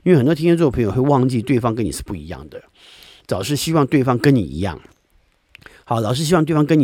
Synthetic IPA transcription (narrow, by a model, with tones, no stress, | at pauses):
i˥nwe˩xə˨˩t̪wtʰi˥˧˥t͡spʰɤ˧˥jo˨˩xwe˥˧ɪwɑ˥˧ŋt͡ɕi˥˧t̪we˥˩ɪfɑ˥ŋkə˥ni˨˩ʂɻ̩˥˧pu˥˩i˧˥jɑ̰˥˩ŋd̪ə˩ | t͡sɑ˨˩ʊʂɻ̩˥˩ɕi˥wɑ˥˧ŋt̪we˥˩ɪfɑ˥ŋkə˦˥nnḭ˨˩ḭ˧˥jɑ̰˥˩ŋ | xɑ˨˧˦ʊlɑ˨˩ʊʂ̬ɻ̩˥˩ɕi˥wt̪wfɑ˥ŋkə˥ni˨